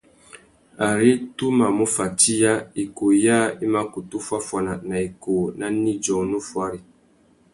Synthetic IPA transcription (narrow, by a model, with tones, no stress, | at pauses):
a˨ɾi˦tu˦ma˨mo˦fa˨ti˦ja˦i˨ko˨ja˦i˦ma˦ku˨tu˦fwa˦fwa˨na˨na˨i˨ko˨na˦ni˦d͡ʒɔ˨nu˦fwa˦ɾi˨